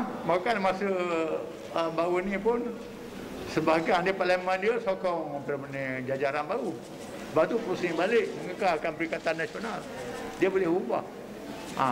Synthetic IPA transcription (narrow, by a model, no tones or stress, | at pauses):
makanmasə | əbaunipʊn | səbaɦɡaandipaləməndiəsokɔŋpəɾmənəd͡ʒad͡ʒaɾanbau | əbat̪upɾusnibalɪk̚məŋəkaakanpəɾikat̪anːasional | diəbolɪɦuba̰h | a̰